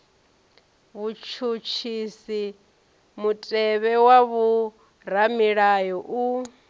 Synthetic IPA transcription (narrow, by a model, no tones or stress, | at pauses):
βut͡ʃʰut͡ʃʰisi | mutʼɛβɛwaβu | ɾamiɺajɔʔu